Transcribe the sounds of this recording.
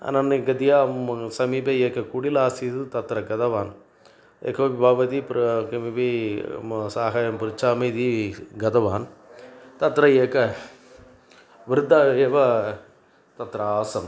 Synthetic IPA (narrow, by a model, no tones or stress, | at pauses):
ɐ̰nɐnɐɡɐd̪ijaːsɐmiːbɐeːkːɐkuɽilaːsit̪ɯt̪ɐt̪ːɾɐɡɐd̪ɐʋaːn | ḛkɐʋibaːʋɐd̪ipɾkɐmiʋi | saːɦaːjɐmpɪɾɪt͡ʃːaːmɐd̪iɡɐd̪ɐʋaːn | t̪ɐt̪ːɾɐjeːkːɐ | ʋɪɾɯd̪aːeːʋɐ | t̪ɐt̪ːɾɐaːsɐm